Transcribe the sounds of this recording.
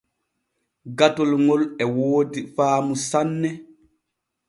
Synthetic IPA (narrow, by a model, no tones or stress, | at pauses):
ɡatɔlŋɔlɛwoːdifaːmusanːɛ